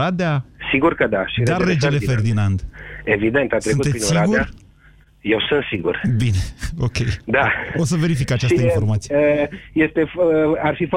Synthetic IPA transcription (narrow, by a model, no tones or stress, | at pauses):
ad̪easiɡurkəd̪aʃid̪aeːed͡ʒele̞ferdd̪inand̪e̞vid̪ent̪at̪sɾekunuetinsiaɡuea | jewsɨnt̪siɡṵrbineo̞kʲe̞jd̪aos̬əve̞ɾifikat͡ʃasəinfo̞rmat̪sijjest̪e̞fəarfif